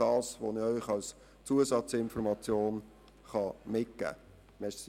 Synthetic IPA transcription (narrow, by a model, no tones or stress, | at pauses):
ɑːsʋo̰nɪœʏχɑls | t͡suəsɑt͡sɪnfɔɾmɑt͡sjoːn | χɑmɪt̚ɡ̥æ̰ː | mɛʃ